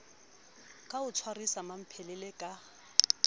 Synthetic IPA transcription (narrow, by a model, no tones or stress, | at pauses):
kʼaʊt͡sʰwarisamam̩pʰɛlɛlɛkʼa